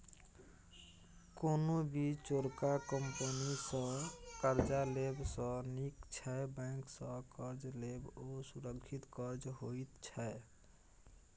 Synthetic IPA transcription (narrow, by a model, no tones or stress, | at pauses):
konobʱit͡ʃoɾkakəmpənisə̃kəɾd͡ʒalebsə̃nikt͡ʃʰɛebãŋksə̃kəɾd͡ʒlebosuɾəkʰːit̪kəɾd͡ʒɦoit̪t͡ʃʰɛ